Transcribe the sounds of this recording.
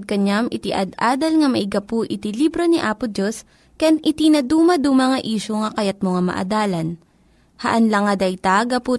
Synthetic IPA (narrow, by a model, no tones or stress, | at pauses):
d̪̚kɐɲamʔɪt̪ɪʔɐ̰d̪ʔaːd̪ɐlŋɐmɐʔɪɡɐpʊʔɪt̪ilibɾoniʔaːpʊd̪os | kɐjanʔɪt̪inɐd̪uːmɐd̪umɐŋɐʔiːʃoŋɐkɐjɐt̪̚moŋɐmɐ̰ʔɐ̰d̪aːlɐn | hɐʔɐnlɐŋɐd̪ɐjt̪aɡɐpu